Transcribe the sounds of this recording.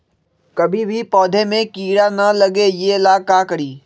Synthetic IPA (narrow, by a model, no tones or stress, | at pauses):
kɐbʱibʱipɔːd̪ʱemẽkiːɽanɐlɐɡejeɪlaːkakəɾiː